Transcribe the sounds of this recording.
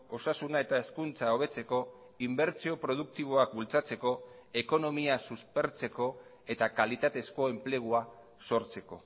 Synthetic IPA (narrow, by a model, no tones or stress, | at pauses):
o̞sasunae̞t̪aeskunt͡sao̞β̞e̞t͡se̞ko̞ | imbe̞ɾt͡sio̞pɾo̞ð̞uk̚t̪iβ̞o̞ak̚bult͡sat͡se̞ko̞e̞ko̞no̞miasuspe̞ɾt͡se̞ko̞ | e̞t̪akalit̪at̪e̞sko̞e̞mple̞ɣ̞ua | so̞ɾt͡se̞ko̞